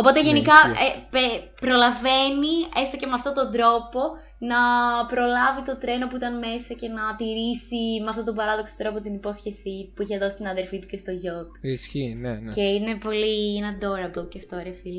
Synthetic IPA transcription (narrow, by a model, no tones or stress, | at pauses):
opo̞t̪eʝe̞nikɐepepɾo̞lɐve̞niest̪o̞ce̞meɐft̪ot̪o̞nd̪ɾo̞po̞ | nɐpɾo̞lɐvit̪o̞t̪ɾe̞no̞puit̪ɐnme̞sɐce̞nɐt̪iɾisimeɐft̪o̞t̪obɐɾɐðo̞kso̥t̪ɾopot̪inipo̞sçesipuiçeðo̞si̥st̪inɐðeɾfit̪u̥cest̪o̞ʝo̞t̪isçinece̞ine̞po̞lienɐd̪o̞ɾɐboceft̪oɾeɐfili